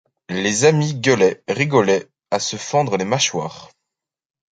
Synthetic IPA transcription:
lezamiɡəlɛʁiɡɔlɛ | asəfɑ̃d̪ʁəlemaʃwaːʁ

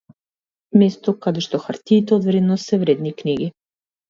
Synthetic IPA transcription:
mɛst̪ɔkad̪ɛʃt̪ɔxaɾt̪iːt̪ɛod̪vɾɛd̪nɔsɛvɾɛd̪nikniɡi

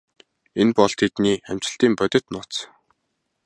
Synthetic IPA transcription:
enpɔɮt̪ʰet̪niːæm̥t͡ɕɪ̆ɬt̪iːmpœt̪ʲɪ̆t̪nʊt͡s

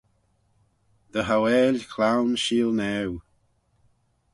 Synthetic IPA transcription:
ðəɦawɛːlkʰl̥awnʃiːlˠnɛw

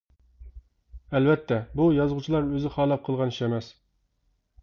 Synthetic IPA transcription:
ɛlvɛt̪ʰːɛbujɑzʁut͡ʃʰilˠɑɾøzɪχɑːlˠɑp̚qʰəlˠʁɑniʃɛmɛs

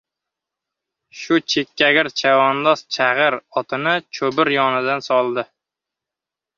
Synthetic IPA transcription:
ʃʊt͡ʃʰekʲːaɡʲɪɾt͡ʃʰavɒnlˠɒst͡ʃʰaʁɨɾɒt̪ʰɪnɪt͡ʃʰɵbɪɾjɒnɪd̪ansɒlˠd̪ɪ

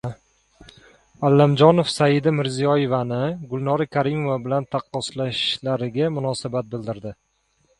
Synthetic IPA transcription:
alːamd͡ʒɒnofsajɪd̪amɪɾzijɒje̞vanɪɡʊlˠnɒɾakʰaɾimovabɪlant̪ʰaqːɒslaʃlaɾɪɡʲamʊnɒsabat̪̚bɪld̪ɪɾd̪ɪ

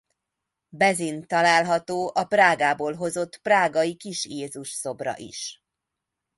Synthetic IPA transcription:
bɛzint̪ɒlaːlɦɒt̪oːʔɒpraːɡaːboːlɦo̞zo̞t̪ːpraːɡɒjikiʃjeːzuʃso̞brɒ̰ʔḭʃ

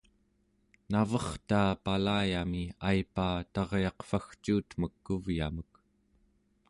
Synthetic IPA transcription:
navʌχt̪aːpalaːjamiajpaːt̪ɑʁjɑqfaxt͡ʃuːt̪məkːuvja̰mək

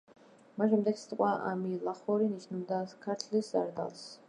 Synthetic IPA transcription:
maʃɛmd̪ɛksi̥t̪ʼqʼwaʔa̰milˠaχɔɾiniʃnubd̪akʰaɾt̪ʰlisa̰ɾd̪a̰lˠs

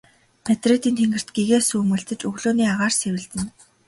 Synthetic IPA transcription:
pʰet̪ret̪iːnt̪ʰeŋɡɘ̆r̥t̪ɡiɣeːsuːmɘ̆ɬt̪ɘ̆t͡ɕɵɣɮoːniːaʁaːrsewɘ̆ɮt̪ɘ̆n

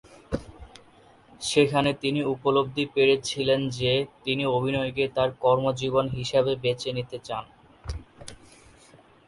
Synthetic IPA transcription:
ʃekʰanet̪iniupolob̚d̪ʱipeɾet͡ɕʰilend͡ʑet̪iniobʱinɔeɡet̪aɾkɔɾmod͡ʑibonɦiʃabebet͡ɕenit̪et͡ɕan

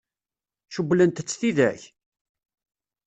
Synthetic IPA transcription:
ʃublənt̪ət͡sːθiðæ̰ç

